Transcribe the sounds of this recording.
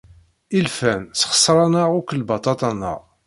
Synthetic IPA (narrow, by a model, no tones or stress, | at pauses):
ilfænsχə̥sːɾˤɑnəʁʊkəlbɑt̪ˤɑt̪ˤɑnə̰ʁ